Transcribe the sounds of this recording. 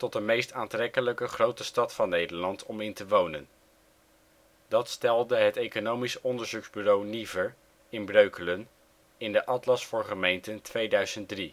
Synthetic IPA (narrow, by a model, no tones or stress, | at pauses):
tɔt̚dəmejstaːntrɛkələkəχrowtəstɑtfɑnːejdəɹlɑntɔmɪntəʋownən | dɑtstɛlˠdəɦətejkonowmisɔndəɹzukzbyrownivəɹ | ɪnbrøɥkələn | ɪndəʔɑtlɑsfʊːɹχəmejntəntʋejdœɥz̥ənt̚dri